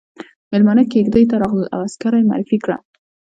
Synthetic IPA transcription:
melmɑnakeɡd̪əjt̪aɾɑɣləlʔa̰waskaɾajma̰ːɾɪfikɽa̰

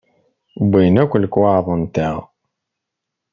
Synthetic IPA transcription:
bʷːijnækʷːləkːwaʕðˤənt̪æʁ

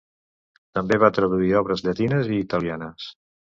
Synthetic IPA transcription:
t̪əmbeβat̪ɾəðuiɔβɾəzʎət̪inəziːt̪əlianəs

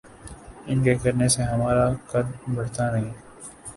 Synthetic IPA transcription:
ɪnkekɐɾneseɦɐmaːɾakɐd̪bɐɽt̪anɐɦĩ

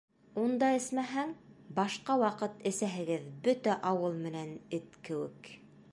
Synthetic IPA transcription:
und̪ɑɘ̆smæɦæŋbɑʃqɑwɑqɤt̪ɘ̆sæɦɘ̆ɡɘðbɵt̪æʔɑwɤlˠmɘ̆nænɘt̪kɘ̆wɘ̰k

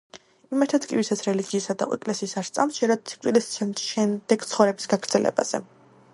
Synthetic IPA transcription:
imɛɾt̪ʰɛt̪kʼivisat̪sʰɾɛliɡiːsad̪a̰ɛ̰kʼlɛsiːsaɾst̪sʼa̰msd͡ʒɛɾad̪̚t̪sʰi̥k̪ʼilisʃɛmd̪ɛɡ̥̚t̪sʰχɔvɾɛbisɡaɡɾd̪zɛlɛ̰ba̰z̥ɛ̰

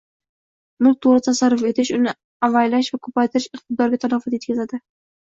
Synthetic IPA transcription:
mʊlˠk̚ʲt̪ʰoɾɪt̪ʰasaɾːʊfe̞t̪ʰɪʃʊnɪ | avajlaʃvakʰɵpajt̪ʰɪɾɪʃɪq̚t̪ʰɪd̪ɒɾɡʲat̪ʰalafɒt̪je̞t̪̚kʲazad̪ɪ

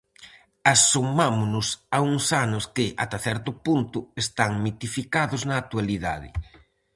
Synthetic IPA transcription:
asumamʊnʊsauŋsanʊskɪʔa̰t̪aθɛɾt̪ʊpunt̪ʊest̪aŋmit̪ifikaðʊznɐːk̚t̪ualiða̰ðɪ̰

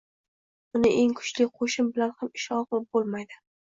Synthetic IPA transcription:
ʊnɪʔe̞ŋkʰʊ̥t͡ʃlɪqʰoʃɪmbɪlanhamɪʃɒqlˠɪp̚bolˠmajd̪ɪ

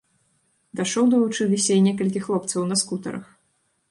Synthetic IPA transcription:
d̪aʂɔwd̪ɐvut͡ʂɨlʲisʲɐjnʲɛkɐlʲkʲixlˠɔp̚t̪sɐwnɐskut̪ɐɾɐ̰x

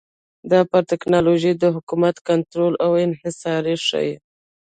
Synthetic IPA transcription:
d̪ɑpəɾt̪ɪknɑloʒid̪əɦʊkumat̪kant̪ɾolawɪnhɪsɑɾiʂə̰j

